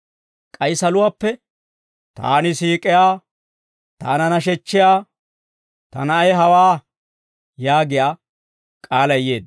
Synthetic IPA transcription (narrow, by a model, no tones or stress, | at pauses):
kʼɐjsɐlʊwaːpːɛ | t̪a̰ːnɪsiːkʼɪjaː | t̪a̰ːnɐnɐʃ̬ɛt͡ʃːɪjaː | t̪ɐ̰nɐɐjɦɐwaː | jaːɡɪjaː | kʼaːlɐjjeːd̪